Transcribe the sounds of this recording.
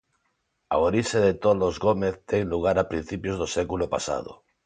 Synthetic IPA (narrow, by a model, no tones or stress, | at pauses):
a̰oɾiʃeðet̪olozɣomeθt̪ɛŋluɣ̞aɾapɾin̟θipjozðosɛkulopa̰sa̰ðo̰